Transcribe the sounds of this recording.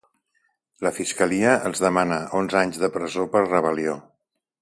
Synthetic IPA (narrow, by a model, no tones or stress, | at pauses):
ləfiskəliəʔəlˠzðəmanəʔonzaɲzðəpɾəzopərrəβ̞əlio